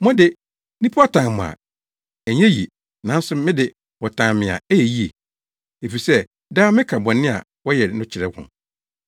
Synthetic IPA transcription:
mɔ̃˦dɪ˦ | nĩ˦pʰu˦a˦tʰã˨mʊ̰̃˨a̰˨ | æ˨ɲɛ̃˦jḭ˨ | nã˨˦n̩˦sʊ˦mɪ̃˦dɪ˨ | wɔ˨tʰã˨mɪ̃˨a̰˨æ˦jɛ˨ji˦e˨ | e˨fi˨sɛ˦ | daː˦mɪ̃˦kʰa˨bɔ̃˨nɪ̃˦a̰˨ | wɔ˦jɛ˨˦nʊ̃˦t͡ɕʰɪ˨ɾɛ˦hʊ̰̃˨

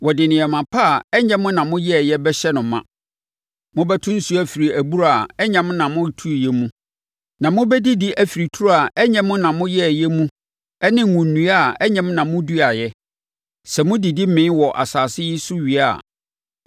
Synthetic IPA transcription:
wɔ˨dɪ˨nɪ̃˨ɛ˨mã˨pʰa˦˨ɛ˦ɲɛ̃˦mʊ̃˦nã˨mʊ̃˦jɛ˦˨jɛ˦bɛ˦ɕɛ˦nʊ̃˨mːã̰˦˨ | mʊ̃˦bɛ˦tʰʊ̃˦n̩˦su˦æ˦fi˨ɾi˨æ˨bu˦ɾa˨ɛ˦ɲɛ̃˨˦mʊ̃˦nã˨mʊ̃˦˨tʰu˦˨jɛ˦mũ˦ | nã˨mʊ̃˦bɛ˦di˦di˦ʔæ˨fi˨ɾi˨tʰu˦ɾa˨ɛ˦ɲɛ̃˦mʊ̃˦nã˨mʊ̃˦jɛ˦˨jɛ˦mũ˦ | ɛ˦nɪ̃˦˨ŋũ˨n˨nːũ˨˦a˦˨ɛ˦ɲɛ̃˦m˦nã˨mʊ̃˦du˦a˨jɛ˦ | sɛ˨mʊ̃˦di˨di˦m̩˦mɪ̃˦nwɔ˨ʔa̰˨saː˨sɪ˦ji˦su˦ɥi˨a̰˨

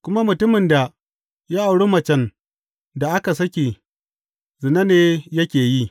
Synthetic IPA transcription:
kʷʊ˦ma˦mʊ˨tʊ˦mɪ˨nda˨ | ja˦ʔa˨wɽe˦mɐ˨t͡ʃɛ˦n | da˨ʔa˦ka˨sɐ˦kʲe˨ | zɪ˨na˦neː˦jɐ˦kʲeː˨ji˦

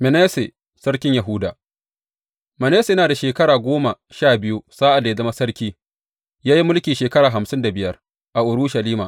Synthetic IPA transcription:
mɛ˨neː˦se˨ | sɐ˦ɾkʲɪ˦ɲja˨ɦʊ˦daː˨ | mɛ˨neː˦se˨jɐ˦naː˨da˨ʃeː˨kɐ˦ɽaː˨ɡʷoː˦ma˨ | ʃaː˦˨bɪ˦ju˦saː˦ʔa˨dːa˨ja˦zɐ˦ma˦sɐ˦ɽkʲiː˦ | jaː˦ji˦mʊ˦lkʲiː˨ʃeː˨kɐ˦ɽaː˨ɦa˨msɪ˦nda˨bɪ˦jɐ˦r | ʔa˨ʔʊ˨ɽuː˦ʃɐ˨liː˦maː˨

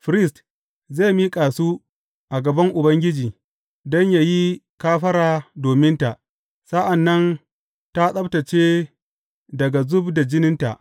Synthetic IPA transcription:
ɸɾɪ˦st | zeː˦˨miː˦kʼaː˨suː˦ | ʔa˨ɡɐ˨bɐ˦ŋʔʊ˨bɐ˦ŋɡʲɪ˦d͡ʒiː˨ | dɔ˦ɲja˨ji˦kaː˦ɸɐ˦ɾaː˨doː˨mɪ˦nta˨ʔ | sɐ˦ʔa˨nːɐ˦n | ta˦sʼɐ˦btɐ˨t͡ʃeː˦ | dɐ˨ɡa˨zʊ˦bda˨d͡ʒɪ˦nɪ˦nta̰˨ʔ

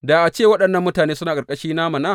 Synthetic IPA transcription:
da˨ʔa˨t͡ʃeː˦˨wɐ˦ɗɐ˨nːɐ˨mːʊ˦taː˨neː˦sʊ˦naː˨kʼɐ˨kʼɐ˦ʃiː˦na˦mɐ˨naː˦˨

